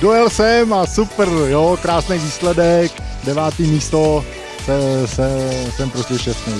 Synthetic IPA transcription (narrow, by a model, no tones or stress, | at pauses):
dojɛlsɛmasupɾjokɾaːsnejviːslɛdɛkdɛvaːt̪iːmiːst̪o | sɛsɛft̪ɛmpɾostɛʃɛst̪nɛ